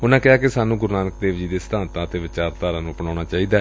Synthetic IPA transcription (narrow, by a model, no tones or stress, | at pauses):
ʊnãːkɪaːkɪsaːnũːɡʊɾnaːnək̚d̪eːʋd͡ʒiːd̪eːsəd̪ãːnt̪ãːət̪eːʋɪt͡ʃaːɾt̪aːɾãːnũːpəɳãːñaːt͡ʃaːiːd̪aːɛ